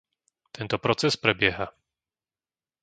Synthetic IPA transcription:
t̪ʰɛnt̪ɔpɾɔt͡sɛspɾɛbɪɛɦa

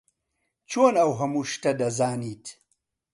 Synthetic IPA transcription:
t͡ʃoːnawɦɐmuʃtɐdɐzaːnitʰ

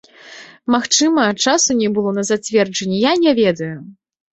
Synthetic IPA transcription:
maxt͡ʂɨmɐt͡ʂasunʲɛbɨlˠɔnɐzat͡sʲvʲɛrd͡ʐɐnʲːɛjanʲɛvʲɛd̪ɐju

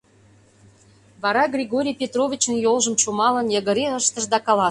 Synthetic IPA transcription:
βɑɾɑɡrʲeɣoɾʲijpʲet̪rovʲit͡ɕənjolˠʒə̆mt͡ɕumɑlə̆njə̆ɣə̆ɾeəʃt̪əʃd̪ɑkɑlɑ

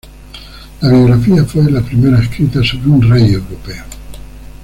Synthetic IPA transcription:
laβjo̞ɣɾafiafwe̞lapɾimeɾaeskɾit̪aso̞βɾeunreje̞wɾopeo

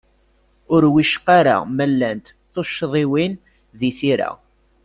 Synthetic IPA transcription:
ʊɾwiʃqaɾa̰mælːænt̪ | θoʃːðˤɪwin | ðiθiɾa̰

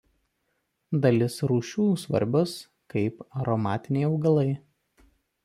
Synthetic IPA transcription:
d̪ɐlʲɪsɾuːʃʲuːsʋɐ̰ɾʲbʲoːs | kɐɪpɐɾɔmɑːt̪ʲɪnʲɛɪɒʊɡɐlˠɐɪ

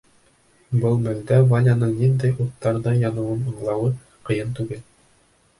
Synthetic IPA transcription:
bɤlˠmæld̪ævanʲanɤɴnind̪æjut̪ːɑɾðɤjɑnɤ̆wɤnɤ̆ɴlˠɑwɤ | qɤ̆jɤnt̪ʉɡɘl

